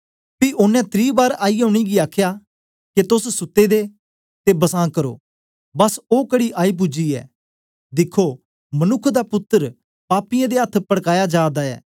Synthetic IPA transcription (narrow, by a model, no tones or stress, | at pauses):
piʔʊnːɛ̃t̪ʰɾiːbaːɾaːioːɽ̃iɡiaːkʰjaː | ket̪ʊssʊt̪ːed̪eː | t̪ebɐsãːkɐɾo̰ː | bɐsoːkɐɽiʔaːip̬ʊd͡ʒiɛ̰ː | d̪ɪkʰːoː | mɐnʊkʰd̪apʊt̪ːəɾ | paːpɪjãd̪eɐt̪ʰpɐɽkaːjad͡ʒaːd̪aɛ̰ː